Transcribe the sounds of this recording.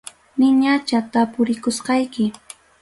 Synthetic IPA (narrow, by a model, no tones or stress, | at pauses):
nɪɲat͡ʃat̪apʊɾɪkʊsqɑjkɪ